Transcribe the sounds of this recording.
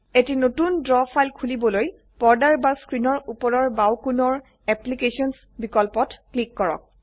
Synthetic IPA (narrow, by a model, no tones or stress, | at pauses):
etinotundɹɔpʰajlkʰulibɔloj | pɔɹdaɹbaskɹinɔɹupɔɹɔɹbawkunɔɹ | ɛplikesɔns | bikɔlpɔtklikːɔɹɔ̰k̚